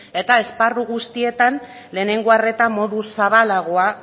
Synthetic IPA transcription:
e̞t̪ae̞sparuɣust̪ie̞t̪an | le̞ːne̞ŋɡoare̞t̪amo̞ðusaβalaɣ̞oa

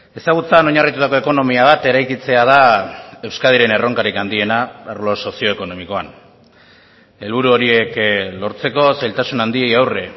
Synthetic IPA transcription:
e̞saɣut͡sano̞ɲarit̪ut̪akoe̞ko̞no̞miaβ̞at̪e̞ɾajkit͡se̞að̞ae̞wskaðiɾe̞ne̞ro̞ŋkaɾikand̪ie̞naaɾlo̞so̞sio̞eko̞no̞miko̞a̰n | e̞lβuɾuo̞ɾie̞klo̞ɾt͡se̞ko̞sajlt̪asunand̪ie̞jawre̞

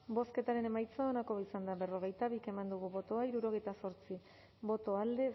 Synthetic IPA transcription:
bo̞ske̞t̪aɾe̞ne̞majt͡sao̞nako̞βaisand̪aβe̞ro̞ɣ̞e̞jt̪aβike̞mand̪uɣuβo̞t̪o̞aiɾuɾo̞ɣ̞e̞jt̪aso̞ɾt͡si | bo̞t̪o̞ald̪e̞

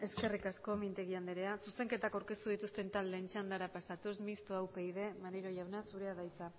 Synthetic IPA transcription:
e̞ske̞rikasko̞mint̪e̞ɣiand̪eɾe̞asuse̞ŋke̞t̪akawɾke̞st̪uðit̪ust̪e̞nt̪ald̪e̞ːnt͡ʃand̪aɾapasat̪usmist̪oawpe̞iðe̞maɾeɾo̞ʝawnasuɾe̞aðajt͡sa

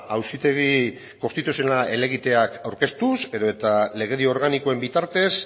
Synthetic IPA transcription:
awsit̪e̞ɣ̞i | ko̞st̪it̪usjonaʔe̞le̞ɣ̞it̪e̞akawɾke̞st̪use̞ðo̞e̞t̪ale̞ɣ̞eðioo̞ɾɣaniko̞e̞mbit̪aɾt̪e̞s

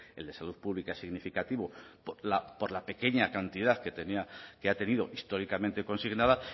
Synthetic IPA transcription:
e̞ld̪e̞saluθpuβlikaesiɣnifikat̪iβopolapo̞ɾlape̞ke̞ɲakant̪iðaθket̪eniakeat̪e̞niðo̞ʔist̪o̞ɾikamẽ̞nt̪e̞ko̞nsiɣnaða

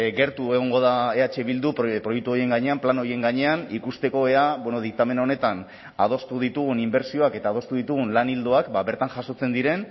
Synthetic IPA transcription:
ɡe̞ɾt̪ue̞ɣ̞o̞ŋɡo̞ðae̞at͡ʃe̞βild̪uppɾo̞juk̚t̪uo̞ɾie̞ŋɡaɲe̞amplano̞ɾie̞ŋɡaɲe̞anikust̪e̞ko̞e̞aβwenoð̞ik̚t̪ame̞nao̞ne̞t̪an | að̞o̞st̪uðit̪uɣ̞unimbe̞ɾsio̞ake̞t̪aːð̞o̞st̪uðit̪uɣ̞unlanild̪oakbaβe̞ɾt̪aŋʝaso̞t͡se̞nd̪iɾe̞n

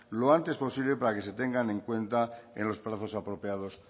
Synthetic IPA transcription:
loant̪espo̞siβle̞paɾake̞se̞t̪e̞ŋɡanẽ̞ŋkwe̞nt̪aḛ̃nlo̞spɾaθo̞sapɾo̞pjað̞o̞s

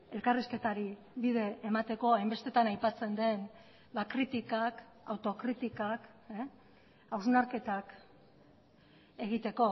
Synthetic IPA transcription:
e̞lkariske̞t̪aɾi | βiðe̞ːmat̪e̞ko̞ajmbe̞st̪e̞t̪anajpat͡se̞nd̪e̞n | βakɾit̪ikak | awt̪o̞kɾit̪ikak | awznaɾke̞t̪ak | e̞ɣ̞it̪e̞ko̞

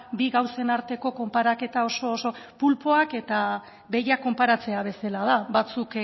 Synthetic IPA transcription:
biɣawse̞naɾt̪e̞ko̞ko̞mpaɾake̞t̪ao̞so̞ːso̞pulpo̞ake̞t̪a | βe̞jakːo̞mpaɾat͡se̞aβ̞e̞selað̞aβat͡suk

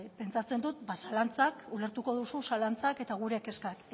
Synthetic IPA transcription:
pe̞nt͡sat͡se̞nd̪ut̪̚basalant͡sakule̞ɾt̪uko̞ðususalant͡sake̞t̪aɣ̞uɾe̞ke̞skak

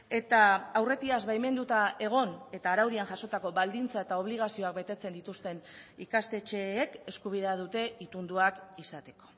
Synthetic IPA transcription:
e̞t̪aːwre̞t̪iazβajme̞nd̪ut̪aʔe̞ɣ̞o̞ne̞t̪aːɾawðianʝaso̞t̪ako̞βald̪int͡sae̞t̪ao̞β̞liɣ̞asio̞ak̚be̞t̪e̞t͡send̪it̪ust̪e̞nikast̪e̞t͡ʃe̞ːke̞skuβ̞iðeað̞ut̪e̞it̪und̪uakisat̪e̞ko̞̥

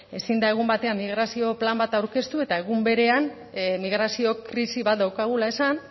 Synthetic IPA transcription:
e̞sind̪ae̞ɣ̞umbat̪e̞amːiɣ̞ɾasio̞plambat̪awɾke̞st̪ue̞t̪ae̞ɣ̞umbe̞ɾe̞an | miɣɾasio̞kɾisiβat̪̚d̪awkaɣ̞ulae̞san

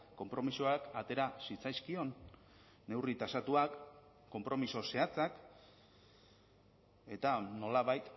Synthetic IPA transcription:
ko̞mpɾo̞misoakat̪e̞ɾasit͡sajskio̞nː | e̞writ̪asat̪uakː | o̞mpɾo̞miso̞se̞at͡sak | e̞t̪ano̞laβajt̪

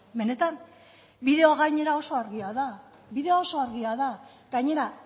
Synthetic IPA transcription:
me̞ne̞t̪an | biðe̞oɣajɲe̞ɾaoso̞aɾɣiaða | βiðe̞oo̞so̞aɾɣiaða | ɡajɲe̞ɾa

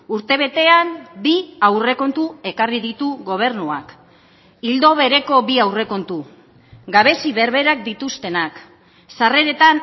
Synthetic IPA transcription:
uɾt̪e̞β̞e̞t̪e̞ambiawre̞ko̞nt̪ue̞kariðit̪uɣo̞β̞e̞ɾnuak | ild̪o̞βe̞ɾe̞ko̞biawre̞ko̞nt̪u | ɡaβe̞siβe̞ɾβe̞ɾak̚d̪it̪ust̪e̞nak | sare̞ɾe̞t̪an

